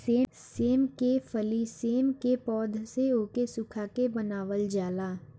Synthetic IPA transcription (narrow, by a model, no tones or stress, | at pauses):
seː | seːmkefʰəliseːmkepɔːd̪ʱseoːkesʊkʰakebənaːʋəld͡ʒaːlaː